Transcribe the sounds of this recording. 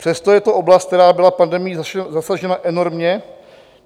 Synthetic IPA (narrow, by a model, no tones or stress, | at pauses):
pr̝̥ɛst̪ojɛt̪o̞ʔo̞blast̪̚t̪ɛɾaːbɪlafpandɛmɪjizasaʒɛnaʔɛno̞ɾmɲɛ